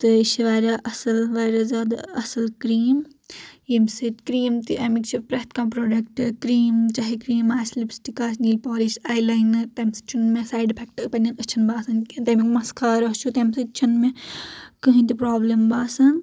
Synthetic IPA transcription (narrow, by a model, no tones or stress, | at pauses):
t̪ɨʃiʋaːɾaʔɐsɐlʋaːɾazaːd̪a̰ɐsɐlkɾiːm | jimsɨt̪kɾiːmt̪iʔɐmikt͡ʃʰipɾɐɦt̪kãːpɾoːɖɐk̚ʈɨkɾiːmt͡ʃɐɦikɾiːmaːslibsʈikaːsniːlpoːlisaːjlajnɨt̪ɐmsɨ̥t͡ʃʰunmẽsaːjɖpʰɛk̚ʈːpɐnʲːɐnɨt͡ʃʰinbaːsɐnkit̪ɐmikmɐskʰaːɾɐɦt͡ʃʰut̪ɐmsɨt͡ʃʰinmẽkɨɦĩt̪ipɾaːblɐmbaːsɐn